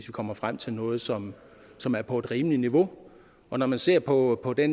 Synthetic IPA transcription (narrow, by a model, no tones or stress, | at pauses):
sʋikʰɒ̽m̰ɐfʁam̰t͡sʰe̝lnɔ̽ːð̞̩ˠsɒ̽m | sɒ̽mæɐpʰɒ̽e̝d̥ʁiːməliniʋo̝ | ɒ̽nɒmænse̝ɐ̰pʰɒ̽pʰɒ̽d̥en